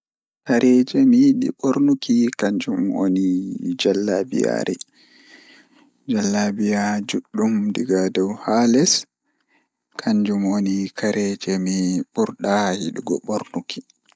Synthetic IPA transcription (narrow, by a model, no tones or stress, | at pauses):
kaɾʔɛd͡ʒɛmiɗḭɓoɾnukʰikaɲd͡ʒumo̰nid͡ʒalːabḭja̰ɾɛ | d͡ʒalːabijad͡ʒuɗːumdiɡadɔwhalɛs | kʰaɲd͡ʒumonikaɾɛd͡ʒɛmiɓuɾɗahiɗiɡɔ̰ɓoɾnuki̥